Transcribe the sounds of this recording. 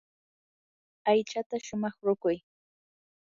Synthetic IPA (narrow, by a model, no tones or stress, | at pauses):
ajt͡ʃat̪aʃʊmɑχɾʊkʊj